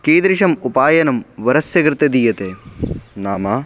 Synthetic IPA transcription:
keːd̪ɾiʂɐmupaːjɐnɐmʋɐɾɐsjɐkɾɨt̪ɐd̪iːjɐt̪eːnaːmaː

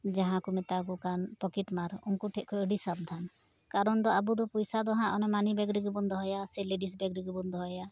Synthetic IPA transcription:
d͡ʒaɦãkumɛt̪akukanpɔkɛʈmaɾunkuʈʰɛt̪̚ˀkʰɔəɖisab̚d̪ʱan | kaɾɔnd̪ɔabud̪ɔpujsad̪ɔɦãʔɔnɛmanibɛɡɾiɡbɔnd̪ɔɦɔjasɛleɖisbɛɡɾiɡbɔnd̪ɔɦɔja

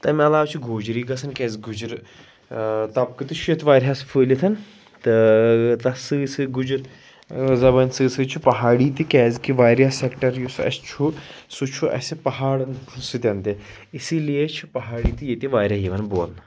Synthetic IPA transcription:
t̪ɐmʲɐlaːʋt͡ʃʰuɡʱoːd͡ʒɾiːɡɐsɐnkʲɛːzɡud͡ʒɾ | t̪ɐp̚kɨt̪it͡ʃʰujet̪ʰʋaːɾʲɦasfʰəːlit̪ʰɐn | t̪ɨt̪ɐsɨsɨɡud͡ʒɾ | zɐbɐnsɨsɨt͡ʃʰupɐɦaːɽiːt̪ikʲɛːzkiʋaːɾʲjaːsekʈɐɾjusɐ̰sʲt͡ʃʰusut͡ʃʰuʔɐ̰sipɐɦaːɽnsɨt̪ʲɐnt̪e | isilijet͡ʃʰupɐɦaːɽiːt̪ijet̪iʋaːɾʲjaːɦiʋɐnboːn

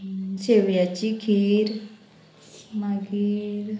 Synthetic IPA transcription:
seʋjat͡ɕikʰiɾ | maɡiɾ

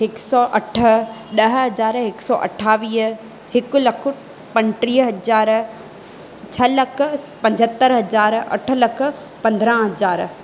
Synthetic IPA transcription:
ɦɪksɔːʔɐʈʰə̆ɗɐɦɦɐzaːɾɦɪksɔ̰ːʔɐ̰ʈʰaːʋiːɦ | hɪkʊlɐkʰʊ | pɐ̃nʈɾiːɦɐd͡ʑaːɾ | t͡ɕʰɐlɐkʰʊ̆ | pɐ̃ɲd͡ʑʱət̪ːəɾɦɐzaːɾɐ̰ʈʰʊ̆lɐkʰʊ̆ | pɐ̃nd̪ɾə̃ɦɐzaːɾ

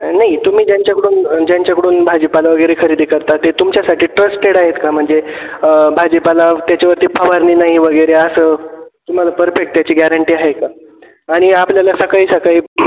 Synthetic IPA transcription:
naɦit̪um̤iːd͡ʑjaɲt͡ɕjakəɽuːnd͡ʑjaɲt͡ɕjakəɽuːnbʱad͡ʑepalaʋəɡəjɾekʰəɾid̪iːkəɾt̪at̪et̪umt͡ɕjasaʈʰiːʈɾəsʈeɽaɦet̪kam̤əɳd͡ze | bʱad͡ʑepalat̪jat͡ɕaʋəɾt̪iːpʰaʋaɾniːnaɦiʋəɡəjɾeəsət̪um̤alapəɾfek̚ʈ̚t̪jat͡ɕiːɡæɾəɳʈiːaɦeka | aɽ̃iapljalasəkaiːsəkaɦiː

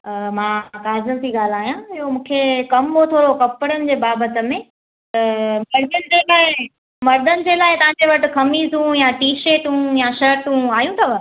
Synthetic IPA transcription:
əmãːkaːzəlt̪iːɡaːl̤aːɦijãɪɦomũːkʰekɐmɦot̪ʰoːɾokɐpəɽ̃ənɪ̆d͡ʑeːbaːbət̪ə̆mẽ | t̪ɐmɐɾd̪ənɪ̆d͡ʑeːlaːɦɪ | mɐɾd̪ʱənɪ̆d͡ʑeːlaːɪt̪ɐʋ̤ãːd͡ʑeʋɐʈɪ̆kʰɐmizũjaʈiːʃeːʈũjaʃɐɾʈũaːjũt̪ʰɐʋə

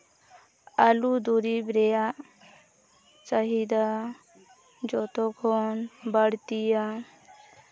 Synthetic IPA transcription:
alud̪uɾibɾɛjaʔ | t͡ʃaɦid̪a | d͡ʒɔt̪ɔkʰɔnbəɽt̪ija

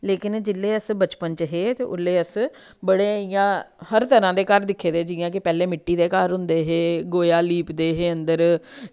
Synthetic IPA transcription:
leːkɪnd͡ʒɪlːeːəsbət͡ʃpənt͡ʃɦeːt̪eːʔʊ̰lːeːəs | bəɽeːijãː | həɾt̪əɾãːd̪eːkəɾd̪ɪkʰːeːd̪eːd͡ʒɪːãːkɪpɛːleːmɪʈːiːd̪eːkəːɾɦʊnd̪eːɦeːɡoːjaːliːpd̪eːɦeːənd̪əɾ

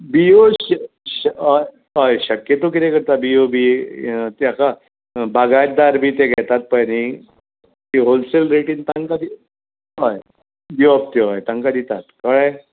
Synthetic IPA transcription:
bio | ɕj | ɦəjɕəkjət̪okit̪ekəɾt̪abiobit̪jaka | baɡad̪aɾbʱiːt̪ẽɡʱɛt̪at̪̚pəjni | t̪iɦolselɾeʈint̪ãŋkad̪i | ɦaj | biap̚t̪oɦajt̪ãŋkad̪it̪at̪kəɭəj

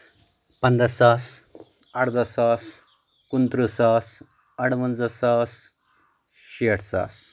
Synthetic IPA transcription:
pənd̪əsas | aɽd̪əsas | kunt̪ɾəsas | əɽʋənd͡zəsas | ɕiəʈʰsa̰s

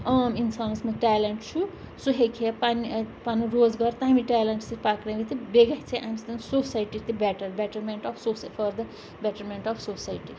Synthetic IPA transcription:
aminsansmɐʈaleɳʈt͡ʃʰu | suɦekʰepanipanuɾod͡zɡʌɾt̪ãmiʈaleɳʈsipakneɡit̪ibeɡɐɦt͡sʰeʔamsd̪ɐnsosajʈit̪ibeʈɐɾbeʈɐɾmeɳʈɔfsosfʰɔɾd̪ɐ | beʈɐɾmeɳʈɔfʰsosajʈi

